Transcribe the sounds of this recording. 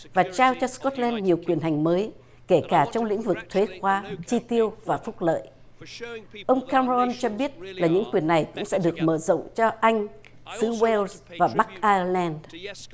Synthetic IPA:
vaː˨˩t͡ɕaː˧wt͡ɕɔ˧skɔ˦˥t̚lɛ˧nɲi˨˩əwkwi˨˩ənɦa˨˩jŋ̟məː˨˦j | ke˧˩kaː˧˩t͡ɕɔ˧wŋ͡mlḭ˧˥ŋ̟vɨ˨˩k̚t̪ʰwe˨˦xwaː˧t͡ɕi˧t̪i˧əwvaː˨˩fʊ˦˥k͡p̚lə̰ː˧˨j | ʔə˧wŋ͡mkaː˧m˧ɔ˧nt͡ɕɔ˧ɓi˦˥ət̚laː˨˩ɲɨ̰˧˥ŋkwi˨˩ənːa˨˩jkʊ̰˧˥ŋ͡msɛ̰˧˥ɗɨ˨˩ək̚məː˧˩zo̰˧˨wŋ͡mt͡ɕɔ˧ʔa˧jŋ̟ | sɨ˨˦wɛ˧lz | vaː˨˩ɓa˦˥k̚ʔaː˧ə˧lɛ˧n

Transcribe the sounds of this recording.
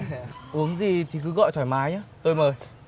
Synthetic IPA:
ʔu˨˦əŋzi˨˩t̪ʰi˨˩kɨ˨˦ɣɔ̰˧˨jt̪ʰwaː˧˩jmaː˨˦jɲaː˨˦t̪o˧jməː˨˩j

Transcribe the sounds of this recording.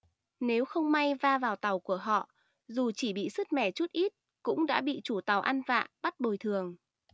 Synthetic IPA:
ne˨˦wxə˧wŋ͡mma˧jvaː˧vaː˨˩wt̪a˨˩wku˧˩əɦɔ̰˧˨ | zu˨˩t͡ɕi˧˩ɓḭ˧˨sɨ˦˥t̚mɛ˧˩t͡ɕu˦˥t̚ʔi˦˥t̚ | kʊ̰˧˥ŋ͡mɗa̰ː˧˥ɓḭ˧˨t͡ɕu˧˩t̪a˨˩wʔa˧nva̰ː˧˨ʔɓa˦˥t̚ɓo˨˩jt̪ʰɨ˨˩əŋ

